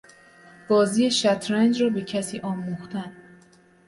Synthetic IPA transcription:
b̥ɒːziːjeʃæt̪ʰɾænd͡ʒɾɒːbe̞cʰæsiːʔɒːmuxt̪æn

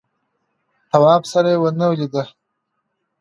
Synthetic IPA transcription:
t̪awɑːbsaɾajewənawlid̪ə

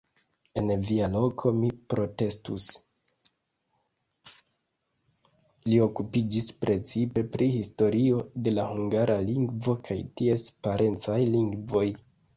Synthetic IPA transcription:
e̞nvialo̞kʰo̞mipɾo̞te̞stus | lio̞kupid͡ʒispɾe̞t͡sipe̞pɾihisto̞ɾio̞de̞lahuŋɡaɾʔaliŋɡvo̞kʰajtie̞spaɾe̞nt͡sajliŋɡvo̞j

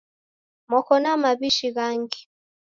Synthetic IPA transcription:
mɔkɔnamaβiʃiɣaŋɡi

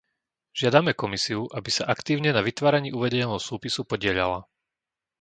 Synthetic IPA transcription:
ʒ̥ɪad̪amɛkɔmisiuʔabisaʔakt̪iːʊɲɛnaʋit̪ʋaːɾaɲiːuʋɛɟɛɲɛlːɦɔsuːpisupɔɟɪɛʎa̰la̰

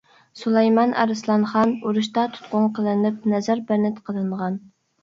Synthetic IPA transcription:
sulˠɛjmɑnʔɑ̰ɾɨslˠɑnχɑnuɾuʃt̪ɑt̪ʰu̥t̪̚qʊɴqʰəlˠɨnɪp̚nɛzæɾbæɾnɪt̪qʰəlˠɨɴʁɑn

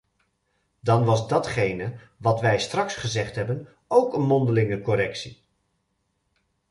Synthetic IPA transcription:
dɑnʋɑzdɑtχejnə | ʋɑtʋɛjstrɑksχəzɛχtɦɛbən | owkənmɔndəlɪŋəkɔɾɛksi

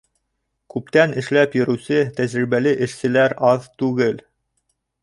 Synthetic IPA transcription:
kʉpt̪ænɘ̆ʃlæpjɘ̆ɾɵ̆wsɘt̪æʑɾiβælɘʔɘ̆ʃsɘ̆læɾɑðt̪ʉɡɘl

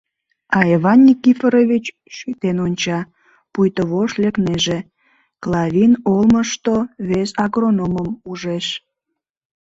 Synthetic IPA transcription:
ɑeβɑnʲːikifəɾovʲit͡ɕ | ʃyt̪enonʲt͡ɕɑ | pujt̪əβoʃlekneʒe | klɑβʲinolməʃt̪oβesɑɣronoməmuʒeʃ

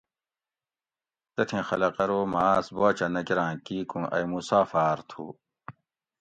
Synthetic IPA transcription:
t̪ɐt̪ʰẽxɐlɐqɐɾoːmaːsboːt͡ɕɐnɐkiɾãːkiːkũʔɐ̰jmusaːfaːɾt̪ʰṵː

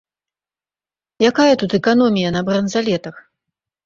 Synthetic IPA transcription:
jakajɐt̪ut̪ɛkanɔmʲijɐnɐbɾɐnzalʲɛt̪ɐx

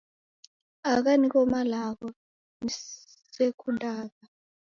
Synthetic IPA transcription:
ak̬anik̬ɔmalak̬ɔ | ni | sekʰundʱʼaːk̬a

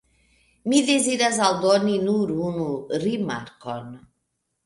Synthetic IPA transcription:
midezidazald̪ɔninuɾunuɾima̰ɾkɔn

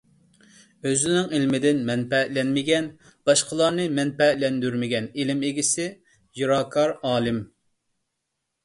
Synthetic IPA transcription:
øzɪnɪŋelmɪd̪ɪnmɛnpɛlɛnmɪɡʲɛn | b̥ɑʃqʰəlˠɑɾnɨmɛnpɛlɛnd̪yɾmɪɡʲɛnelɪmeɡʲisɪ | juɾɑːkʰɑɾɑːlˠɪm

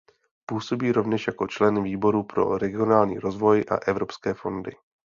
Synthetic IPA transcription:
puːso̞biːɾo̞vɲɛʃjako̞t͡ʃlɛnviːbo̞ɾupɾo̞̰ɾɛɡɪo̞naːlɲḭːɾo̞zvo̞jʔa̰ʔɛvɾo̞pskɛːfo̞ndɪ̰

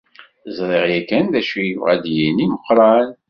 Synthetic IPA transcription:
zˤɾˤeʁjækænðæʃujivʁæd̪jiniməqːɾˤɑn

